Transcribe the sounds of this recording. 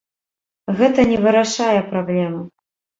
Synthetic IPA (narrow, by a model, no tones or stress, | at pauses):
ɣɛt̪ɐnʲɛvɨɾaʂajɛpɾablʲɛmu